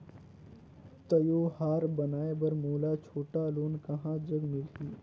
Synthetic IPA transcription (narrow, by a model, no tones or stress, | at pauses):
t̪əjoːhaːɾbɐnaːebɐɾmoːlaːt͡ʃʰoːʈaloːnkɐɦãːd͡ʒəɡmɪlɦiː